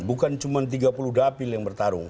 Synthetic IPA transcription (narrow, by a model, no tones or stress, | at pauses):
bukant͡ʃumant̪̬iɡapuluhdapɪljaŋbərt̪aɾʊ̰ŋ